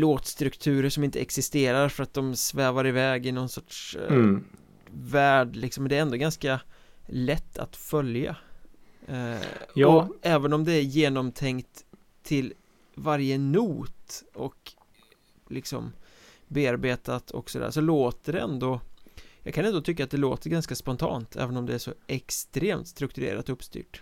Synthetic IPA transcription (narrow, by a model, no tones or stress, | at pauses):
loːt̪st̪ɾɵkt̪ʰʉ̟ːɾəʂɔmɪnt̪ʰəɛksɪst̪eːɾaɾfœɾat̪̚d̪ɔmsvɛːvaɾɪvɛːɡɪnɔnsɔʈʂ | væːɖlɪksɔmːɛnd̪ɛæɾɛnd̪oːɡanskalɛt̪ʰːa̰t̪fœlja̰ | ɔɛːvənɔmd̪ɛæɾjeːnɔmt̪ʰɛŋkt̪ʰː | ɪl | vaɾjənuːt̪ɔk | lɪksɔ̰m | beːaɾbeːt̪at̪ʰɔ̰ksɔd̪æ̰ːɾʂsɔloːt̪əɖɛɛnd̪ɔjɑːɡkʰanɛnd̪ɔt̪ʰʏkːat̪̚d̪ɛlo̰ːt̪əɾɡanskaspɔnt̪ʰɑ̰ːnt̪ʰɛ̰ːvənɔmd̪ɛæʂɔʔɛkst̪ɾeːmt̪st̪ɾɵk̚t̪ɵɾḛːɾa̰t̪ɔɵpst̪y̰ːʈ